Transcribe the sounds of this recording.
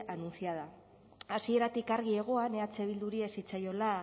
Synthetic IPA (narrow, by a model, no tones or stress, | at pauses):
anunsiað̞a | asie̞ɾat̪ikaɾɣ̞ie̞ɣ̞o̞ane̞at͡se̞β̞ild̪uɾiesit͡sajo̞la